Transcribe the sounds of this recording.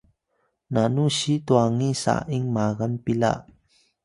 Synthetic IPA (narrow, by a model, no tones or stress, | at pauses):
nanusit̪uaŋisa̰ʔʔiŋmaɣanpila̰ʔ